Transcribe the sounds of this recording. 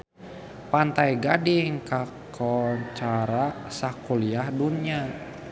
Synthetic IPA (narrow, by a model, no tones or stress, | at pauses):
pant̪ajɡadiŋkakʰɔt͡ʃaɾasakuliahdunia